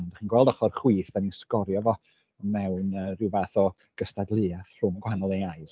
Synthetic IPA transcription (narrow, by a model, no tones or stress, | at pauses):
ndaχiːnɡwɛlˠdɔχɔrχwiːθb̥ɛniskɔɾjɔvɔ | ɔnmɛwnərɪwvaθɔ | ɡ̥əstadlˠɨaθr̥ʊmɔɡwhanɔlˠeajs